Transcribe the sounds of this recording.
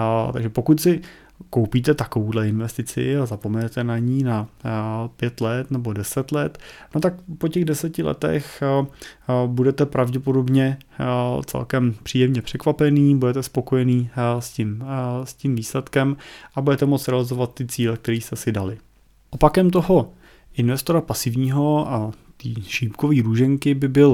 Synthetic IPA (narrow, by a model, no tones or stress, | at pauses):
t̪aɡʒɛpokut̪sɪ | kowpiːt̪ɛt̪akovudlɛɪnvɛst̪ɪt͡sɪ̰azapo̞mɛnɛt̪ɛnaɲiːna | pjɛt̪lɛt̪nɛbo̞dɛsɛt̪lɛt̪not̪akpo̞cɛɣdɛsɛcɪlɛ̰t̪ɛ̰x | budɛt̪ɛpɾavɟɛpodo̞bɲɛ | t͡sɛ̰lkɛmpr̥iːjɛmɲɛpr̝̥ɛkvapɛniːbudɛt̪ɛspo̞ko̞jɛniːscɪmscimviːslɛt̪kɛmʔabudɛt̪ɛmot͡sɾɛalɪzo̞vat̪ːɪt͡siːlɛk̚t̪ɛɾiːst̪ɛsɪdalɪ | ʔopakɛmt̪̬o̞ɦo̞ | ʔɪnvɛst̪o̞ɾapasɪvɲiːɦo̞ʔat̪iːʃiːpko̞viːɾuːʒɛŋkɪbɪbɪl